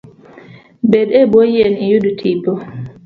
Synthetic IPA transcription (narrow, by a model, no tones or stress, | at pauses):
bɛɗɛbojiɛnijudutʰibɔ